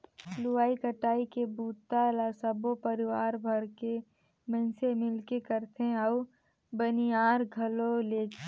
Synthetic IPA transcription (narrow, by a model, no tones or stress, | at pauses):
lʊwaːikəʈaːikebuːt̪ːalasəbopəɾɪʋaːɾbʱɐɾke | mə̃ːnsemɪlkekəɾt̪eɐʊ | bəniaːɾɡʱɐloleː